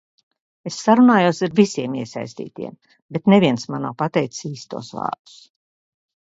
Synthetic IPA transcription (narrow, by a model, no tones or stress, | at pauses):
esːaɾunaːjuɔsiɾvisiɛmiɛsa̰jsʲt̪ḭːt̪ḭɛm | bet̪neviɛnsmana̰ːpat̪ɛjt̪ssiːst̪ṵɔsva̰ːɾd̪̥u̥s